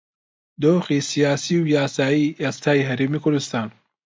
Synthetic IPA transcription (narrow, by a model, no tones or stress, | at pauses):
d̪oːxisijaːsiːwjaːsaːiʔest̪ʰaːjiɦɐɾeːmikʰʊɾd̪ust̪aːn